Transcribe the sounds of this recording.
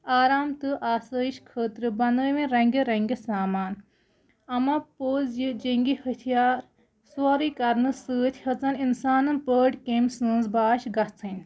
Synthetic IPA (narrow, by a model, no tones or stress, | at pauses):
aːɾaːmt̪ɨʔaːsɐːiʃkʰəːt̪ɾɨbɐnd̪əːʋẽɾɐ̃ŋɡʲiɾɐŋɡʲesaːmaːn | ɐmɐpoːzjid͡ʒiŋɡihɐt̪ʰijaːɾ | saːɾikɐɾnɨsɨːt̪ʲʰhɐt͡sɐninsaːnɐnpəːɖkemsɨːnzbaːʃɡɐt͡sʰɨnʲ